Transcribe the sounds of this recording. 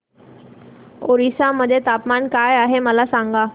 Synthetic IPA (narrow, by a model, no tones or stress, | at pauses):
oɾisaməd̪ʱːjet̪apmankajaɦeməlasãŋɡa